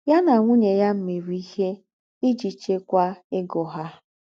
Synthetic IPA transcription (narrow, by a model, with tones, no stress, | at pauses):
ja˦na˨ŋʷu˦ɲe˨ja˦m̩˦me˨ɾi˦i˦he˦ | ɪ˦d͡ʒi˨t͡ʃe˦kʷa˦ɪ˦ɡɔ˨ɦa˦